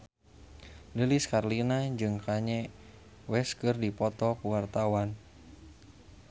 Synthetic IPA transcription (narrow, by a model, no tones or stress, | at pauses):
dəliskarlinad͡ʒɨŋkaɲɛ | wɛskɨrdipɔt̪ɔpuwart̪awan